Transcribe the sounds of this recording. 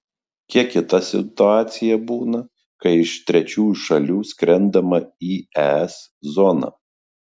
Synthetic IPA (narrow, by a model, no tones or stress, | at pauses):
kʲiɛkʲɪt̪ɐsʲɪ̰t̪ʊɑːt̪sʲɪjɛbuːnɐ | kɐɪɪʃt̪ʲɾʲɛt͡ʃʲuːjuʃɐlʲuːsʲkɾʲɛnˑd̪ɐmɐiːɛːɛs | zɔnɑ̰ː